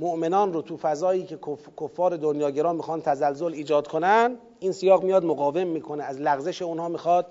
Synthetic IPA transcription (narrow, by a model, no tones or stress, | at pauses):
moʔmenɒːnrot̪ʰuːfæzɒːjiːcʰe̞kʰokʰofːɒːɾe̞d̪onjɒːɟeɾɒːnmixɒːnt̪ʰæzælzoliːd͡ʒɒːd̪̥kʰonæn | ʔiːnsijɒːɣmijɒːd̪moɣɒːve̞mːiːkʰo̞neæzlæɣzeʃe̞unhɒːmixɒːd̪̥